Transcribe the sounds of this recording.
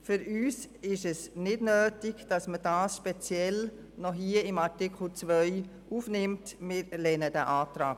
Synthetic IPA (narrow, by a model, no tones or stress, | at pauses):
fʏɾyːs | ɪʃɛsnɪdnøːtɪɡd̥ɑsməd̥aːsʃpɛt͡sjɛl | nɔɦiəɪmaɾtɪkʰl̩t͡sʋœʏ | ʔuːfnɪmtmɪɾlɛnədəʔaːtɾaːk